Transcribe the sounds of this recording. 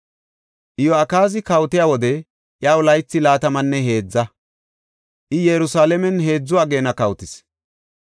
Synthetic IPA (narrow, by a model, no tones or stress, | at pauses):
ʔɪjɔɐkaːzɪkɐwt̪ɪjaːwɔd̪ɛ | ʔjaːwʊlɐjt͡sːɪlaːt̪ɐmɐnːɛɦe̞ːd͡zːɐ | ʔɪjɛɾʊsaːlɛmɛnɦe̞ːd͡zːʊwaːɡe̞ːnɐkɐwt̪ɪs